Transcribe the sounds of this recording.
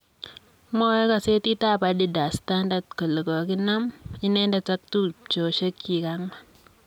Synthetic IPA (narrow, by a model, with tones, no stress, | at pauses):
mɔ˦ɛ˦ka˨se˦ti˦ta˦˨pa˨˦di˦da˨sta˦nda˦tko˨lo˨kɔ˨ki˦na˦mi˦nɛ˦nda˦ta˦k̚tu˦t͡ʃo˨ʃe˦kːi˨ka˦ŋma˦